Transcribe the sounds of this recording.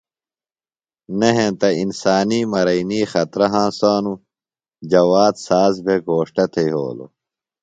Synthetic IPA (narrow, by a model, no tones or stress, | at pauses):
neɦẽt̪ɐinsaːniːmɐɾɐiniːxɐt̪ɾɐɦãːsaːnu | d͡ʑɐwaːt̪saːzbʱeɡoːʂʈɐt̪ʰeiɦo̰ːlo̰